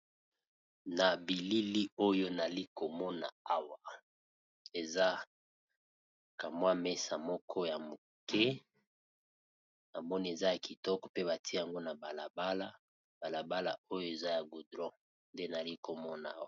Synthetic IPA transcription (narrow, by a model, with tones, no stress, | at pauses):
na˨bi˨li˦li˦o˦jo˦na˨li˦ko˨mɔ˦na̰˨a˦wa˨ | e˨za˦ | ka˨mwa˦me˦sa˨mɔ˦kʰɔ˦ja˨mo˨ | kɛ˦ | na˨mɔ˦ni˦e˨za˦ja˨ki˨tɔ˦kɔ̥˨pe˦βa˨ti˦ja˨ŋɡo˦na˨ba˨la˨ba˦la˦ | ba˨la˨ba˦la̰˨o˦jo˦e˨za˦ja˨ɡu˨dʁɔ̃˦ | nde˦na˨li˦ko˨mɔ˦na̰˨˦wa˨